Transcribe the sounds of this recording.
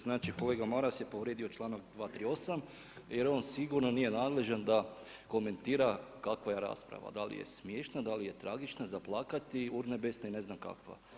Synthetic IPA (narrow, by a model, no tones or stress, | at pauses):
znaːt͡ʃiko̞leːɡamoɾasje̞poʋɾjed̪io̞t͡ʃlˠaːnakd̪ʋaːt̪ɾiːo̞sam | jeɾo̞ːnsiɡuɾnoniːje̞naːd̪le̞ʒand̪a | ko̞me̞nt̪iːɾakakʋaje̞ɾa̰ːspɾa̰ʋa̰d̪alḭjḛsmjeːʃnad̪alije̞t̪ɾaɡit͡ʃnazaplˠaːkat̪iuɾnebesnaine̞znamka̰kʋa̰